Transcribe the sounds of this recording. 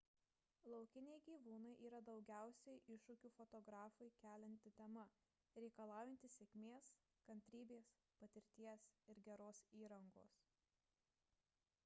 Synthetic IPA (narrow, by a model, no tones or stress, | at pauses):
lˠɒʊkʲɪnʲɛɪɡʲiːʋuːnɐɪʔiːɾɐd̪ɒʊɡʲæˑʊsʲɛɪʔɪʃʊkʲuːfɔt̪ɔɡɾɑːfɐɪkʲæːlʲɛnʲt̪ʲɪt̪ʲɛmɐ | ɾʲɛɪkɐlˠɑːʊjɛnʲt̪ʲɪsʲɛkʲmʲeːs | kɐnʲt̪ʲɾʲiːbʲeːs | pɐt̪ʲɪɾʲt̪ʲiɛsɪɾɡʲɛɾoːsiːɾɐŋɡoːs